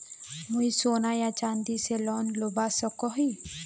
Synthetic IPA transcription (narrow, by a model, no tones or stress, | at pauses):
mujsoːnajat͡ʃand̪iselɔnlobasɔkɔɦi